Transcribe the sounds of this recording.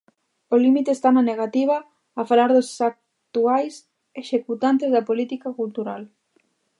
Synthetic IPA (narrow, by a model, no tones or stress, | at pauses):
olimit̪est̪amaneɣ̞at̪iβ̞aː | falaɾðosak̚ | t̪uajs | eʃekut̪ant̪̬ezðɐpolit̪ikakult̪uɾal